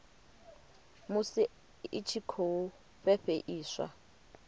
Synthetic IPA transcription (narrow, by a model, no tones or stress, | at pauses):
mʊsɪ | ɪt͡ʃʰikʰou | ɸɛɸeʔiːswa̰